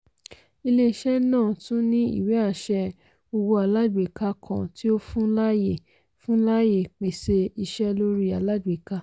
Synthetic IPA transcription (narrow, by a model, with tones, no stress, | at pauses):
i˧le˧i˧ʃɛ˦nãː˦˨tũ˦nĩ˦ḭ˦˨we˨˦a˦˨ʃɛ˧ | o˧wo˧a˧˨la˦dwi˨ka˧kʰã˧˨ti˦o˦fũ˦la˦je˦˨ | fũ˦la˦je˦˨k͡pe˨se˧i˧ʃɛ˦lo˦ɾi˦a˨la˦di˨ka˧